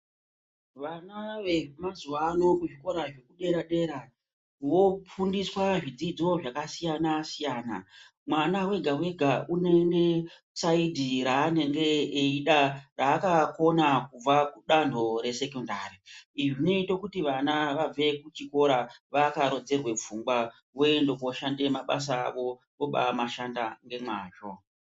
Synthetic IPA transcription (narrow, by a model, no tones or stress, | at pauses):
ʋanaʋemazuwano̞kuʐiko̞ɾaʐe̞kuɗe̞ɾaɗe̞ɾa | ʋo̞p͡fundiswaʐid͡zid͡zo̞ʐakasijanasijaːna̰ | mwanawe̞ɡʱawe̞ɡʱaune̞ŋɡe̞ | saidʱiɾaːne̞ŋɡe̞eiɗaraːkako̞nakub͡vakuɗandʱo̞ɾe̞se̞kondariiʐine̞ito̞kutiʋanaʋab͡ve̞kut͡ʃiko̞ɾaʋakaɾo̞d͡ze̞rwe̞fuŋɡwa | ʋoe̞ndokoʃande̞maɓa̰s̬a̰ːʋo̞ | ʋo̞ɓa̰maʃandaŋɡe̞mwaːt͡ʃo̞